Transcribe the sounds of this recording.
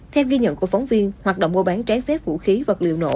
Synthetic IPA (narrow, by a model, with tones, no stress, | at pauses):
t̪ʰɛ˧wɣi˧ɲə̰˧˨nku˧˩əkfa˨˦wŋ͡mvi˧ənhwaː˨˩ɗo̰˧˨wŋ͡mɓo̰˧˩ɓaː˨˦nt͡ɕaː˨˦jfɛ˦˥p̚vṵ˧˥xi˨˦və˨˩t̚lḭ˧˨əwno̰˧˨